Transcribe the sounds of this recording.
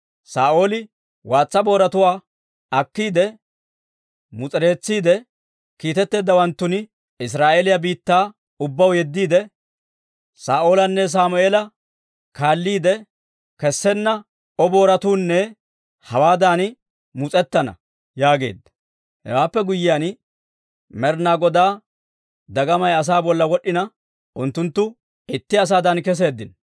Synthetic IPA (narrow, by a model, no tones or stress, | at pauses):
saːʔo̞ːlɪ | waːt͡sːɐbo̞ːɾɐt̪ʊwaː | ɐkːiːd̪ɛ | mʊt͡sʼɾe̞ːt͡sːiːd̪ɛ | kiːt̪ɛt̪ːe̞ːd̪ːɐwɐnt̪ːʊnɪ | ɪs̬ɾaːʔelɪjɐbiːt̪ːaː | ʊbːɐwjɛd̪ːiːd̪ɛ | saːʔo̞ːlɐnːɛs̬aːmʊeːlɐ | kaːlːiːd̪ɛ | kɛsːɛnːɐ | ʔɔbo̞ːɾɐt̪uːnːɛ | hɐwaːd̪aːn | mʊt͡sʼɛt̪ːɐnɐ̰ | jaːɡe̞̰ːd̪ːɐ | hɛ̰waːpːɛɡʊjːɪjan | mɛɾnaɡɔd̪aː | d̪ɐɡɐmɐjɐs̬aːbɔlːɐwɔɗːɪnɐ | ʔʊnt̪ːʊnt̪ːʊ | ɪt̪ːɪɐs̬aːd̪ɐnkɛs̬e̞ːd̪ːɪn